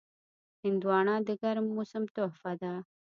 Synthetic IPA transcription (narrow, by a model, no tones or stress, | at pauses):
hɪnd̪uwɑːɳad̪əɡaɾmːʊsəmt̪ohfad̪a